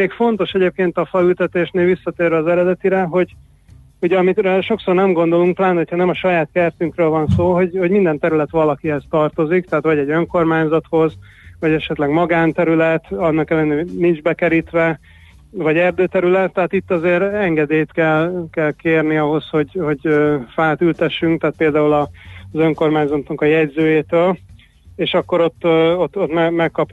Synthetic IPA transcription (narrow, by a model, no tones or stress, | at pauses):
eːkfo̞n̪t̪o̞ʃɛɟeːp̚keːnt̪ɒfɒylt̪ɛt̪eːʃneːlʋisːɒt̪eːrvɛːzɛɾɛd̪ɛt̪iɾɛɦo̞ɟ | uɟɛɒmit̪rɛʃo̞kso̞rnɛmɡo̞nd̪o̞luŋk̚t̪laːnho̞chɒnɛmɒʃɒjaːt̪kɛrt̪yŋkrøːlvɒnsoːɦo̞ɟhoɟmind̪ɛnt̪ɛɾylɛt̪ʋɒlɒkiɦɛst̪ɒrt̪o̞zikt̪ɛɦːt̪ʋɒɟɛɟøŋko̞rmaːɲzɒt̪ho̞z | vɒɟɛʃɛt̪lɛɡmɒɡaːnt̪ɛɾylɛt̪ɒnːɒkɛlːɛnenind͡ʒbɛkɛɾit̪ʋɛ | vɒɟɛrd̪øːt̪ɛɾylɛt̪ːɛɦaːt̪it̪ːɒzeːɾɛŋɡɛd̪eːjt̪kɛlkɛlkeːrniɒɦo̞sho̞ɟho̞ɟøːfaːt̪ylt̪ɛʃːyŋkt̪aːt̪̚peːld̪aːulɒzø̞ŋko̞rmaːɲzɒt̪nɒkɒjɛɟzøːjeːt̪øːl | eːʃɒkːo̞ɾo̞t̪ːot̪ːot̪mɛmɛkːɒp